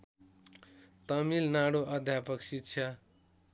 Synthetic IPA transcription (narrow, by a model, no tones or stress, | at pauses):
t̪ʌmilnaɽoʔʌd̪ʱjapʌksit̪ːt͡sʰʌ